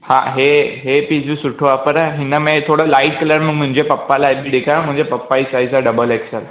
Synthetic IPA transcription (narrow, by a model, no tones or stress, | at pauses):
ha̰ɦeɦepiːsbisʊʈʰoapəɾɦɪnəmẽt̪ʰoːɽəlaɪʈ̚kəlaɽmmʊ̃ɦɪ̃ɲd͡ʑepɐpːalabʱiɖɪkʰãmʊ̃ɪ̃ɲd͡ʑepɐpːaisaisaɖəbəleksəl